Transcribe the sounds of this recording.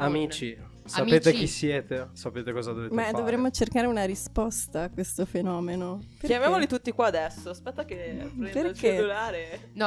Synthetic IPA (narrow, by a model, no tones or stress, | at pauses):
amiːt͡ʃi | saeːt̪ek̟isjɛːt̪esapeːt̪ekɔːzad̪ovemad̪ovɾemːot͡ʃerkaːɾeunaɾispɔst̪aːkːwest̪ofenɔːmenoppeɾjamjamolit̪ut̪ːikwaːd̪ɛsːospɛt̪ːakeperkeelulaːɾen